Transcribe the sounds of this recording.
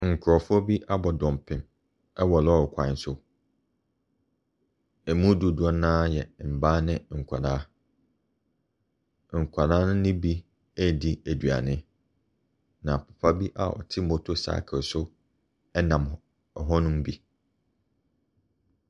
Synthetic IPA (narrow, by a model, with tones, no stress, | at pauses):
ŋ̩˨kʰʊ˨ɾɔ˨fʊ˦ɔ˦bi˦ʔa˦bɔ˨dɔ̃˨m˨pʰɪ̃˦m | ɛ˦wɔ˨lɔ˦˨kʷʰã˨˦n˦sʊ˦ | æ˨mũ˦du˨dʊ˦ɔ˦nãː˦jɛ̰˨m̩˨baː˦nɪ̃˦ŋ̩˨kʷʰa˨daː˦ | ŋ̩˨kʷʰa˨nãː˦nʊ̃˦nɪ̃˦bi˦ | æ˦di˦æ˨dɥa̰˨nɪ̃˦ | nã˨pʰʊ̥˨pʰa˦bi˦ʔa̰˨ʔɔ̰˨tʰɪ˦mo˨tʰo˨sa̰ː˨˦kʰɪ˨sʊ˦ | ɛ˦nã˨m˨ | ɦɔ˦nʊ̃˦m˦bi˦